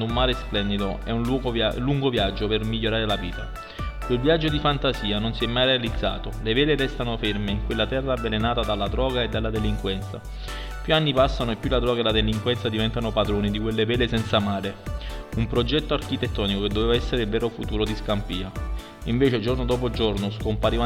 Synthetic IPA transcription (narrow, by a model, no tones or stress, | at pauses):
d̪ʊumːaːɾesplɛnd̪id̪oɛunuɡluŋɡovjad͡ʒːopermiʎːoɾaːɾelaviːt̪a̰ | kwelvjad͡ʒːod̪ifant̪asiːanonsiɛmːajrealid̪zːa̰ːt̪olevɛːleɾɛst̪anofermeiŋkwelːat̪ɛrːabelenaːt̪ad̪alːad̪ɾɔːɡaed̪ːalːad̪eliŋkwɛnt̪sa | pjuanːipasːanoepːjulad̪ɾɔːɡaelad̪eliŋkwɛnt̪sad̪ivɛnt̪anopad̪ɾoːnid̪ikwelːevɛːlesɛnt̪samaːɾeumpɾod͡ʒɛt̪ːoark̟it̪et̪ːɔːnikoked̪ːoveːvaɛsːeɾeilvɛːɾofut̪uːɾod̪iskampiːa | iɱveːt͡ʃed͡ʒornod̪ɔːp̬od͡ʒornoskompaɾiva